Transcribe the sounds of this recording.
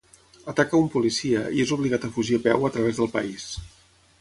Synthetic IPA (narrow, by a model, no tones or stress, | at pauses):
ət̪akəumpulisiəiezuβliɣat̪əfuʒiəpɛwət̪ɾəβ̞ezðəlˠpə̰is